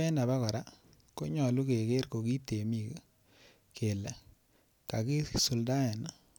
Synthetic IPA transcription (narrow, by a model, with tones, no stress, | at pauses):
ɛ˦na˨βa˦kɔ˨ɾa˦ | ko˦ɲɔ˨lu˦ke˨ke˦ɾko˨ki˦te˨mi˦˨k | ke˨lɛ˨ | ka˨ki˦su˨lda˦ɛ˨na